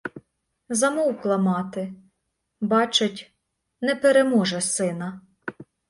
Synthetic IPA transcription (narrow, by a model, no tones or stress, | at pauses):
zɐmɔwklˠɐmɑt̪ɪ | bɑt͡ʃɪtʲ | nɛpeɾemɔʒɛsɪnɐ